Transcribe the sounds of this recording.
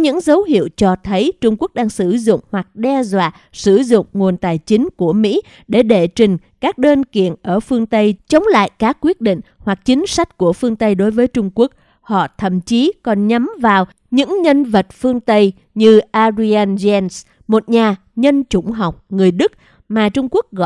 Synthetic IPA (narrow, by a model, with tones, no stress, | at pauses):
ɲɨ̰˧˥ŋzə˨˦wɦḭ˧˨əwt͡ɕɔ˧t̪ʰə˨˦jt͡ɕʊ˧ŋ͡mku˦˥ək̚ɗaː˧ŋsɨ˧˩zʊ̰˧˨ŋ͡mhwa˨˩k̚ɗɛ˧zwa̰ː˧˨ | sɨ˧˩zʊ̰˧˨ŋ͡mŋu˨˩ənt̪aː˨˩jt͡ɕï˨˦ŋ̟ku˧˩əmḭ˧˥ | ɗe˧˩ɗe˧˩t͡ɕï˨˩ŋ̟kaː˦˥k̚ɗe˧nkḭ˧˨ənʔəː˧˩fɨ˧əŋt̪ə˧jt͡ɕə˨˦wŋ͡mla̰ː˧˨jkaː˦˥kːwi˦˥ət̚ɗḭ̈˧˨ŋ̟hwa˨˩k̚t͡ɕï˨˦ŋ̟sa˦˥jk̟̚ku˧˩əfɨ˧əŋt̪ə˧jɗo˨˦jvəː˨˦jt͡ɕʊ˧ŋ͡mku˦˥ək̚ | hɔ̰˧˨t̪ʰə̰˧˨mt͡ɕi˨˦kɔ˨˩nɲa˨˦mvaː˨˩w | ɲɨ̰˧˥ŋɲə˧nvə˨˩t̚fɨ˧əŋt̪ə˧j | ɲɨ˧ʔaː˧zi˧aː˧nzɛ˧ns | mo˨˩t̚ɲaː˨˩ | ɲə˧nt͡ɕʊ˧˩ŋ͡mɦa˨˩wk͡p̚ŋɨ˨˩əjɗɨ˦˥k̚ | maː˨˩t͡ɕʊ˧ŋ͡mku˦˥ək̚ɣɔ̰˧˨